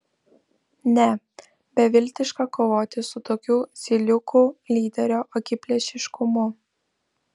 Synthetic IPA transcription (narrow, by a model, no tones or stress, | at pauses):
nʲɛ | bʲɛʋʲɪlʲt̪ʲɪʃkɐkoːʋoːt̪ʲɪsʊt̪oːkʲuːzʲɪlʲʊkulʲiːd̪ʲɛɾʲoːʔɔkʲɪpʲlʲɛʃʲɪʃkʊmʊ